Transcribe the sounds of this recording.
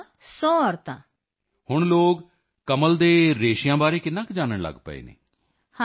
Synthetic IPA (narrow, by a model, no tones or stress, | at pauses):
sɔːɔːɾt̪ã̰ː | hʊɳloːɡ | kəməld̪eːɾeːʃjãːbaːɾeːkɪnːãːkd͡ʒaːnəɳlə̰ɡpə̰ḛːnḛː | h